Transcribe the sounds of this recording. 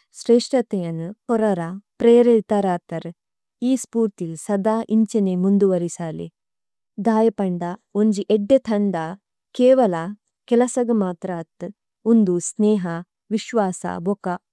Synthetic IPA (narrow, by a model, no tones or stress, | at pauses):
sɾeːʂʈɾɐt̪ejɐnupɔɾɐɾapɾeːɾet̪ɐɾaːt̪ɐɾ | iːspuːɾt̪ilsɐd̪aːʔiɲt͡ʃɐnemund̪uʋɐɾisaːlḭ | d̪aːjɐpɐɳɖaoɲd͡ʒiʔeɖːet̪ʰɐɳɖ̪aː | keːʋɐla | kɛlɐsɐɡɐmaːt̪ɾaːt̪ | und̪usneːɦɐ | ʋiʃʋaːsa̰bɔka